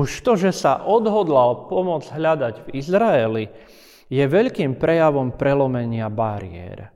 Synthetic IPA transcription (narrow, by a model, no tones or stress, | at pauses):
uʃt̪ɔʒɛsa̰ʔɔd̪ɦɔd̪lalpɔmʊɔd͡zɦʎad̪aɟvizɾaɛli | jɛʋɛʎkiːmpɾɛjaʋɔmpɾɛlɔmɛɲɪabaɾɪ̰ɛ̰ɾ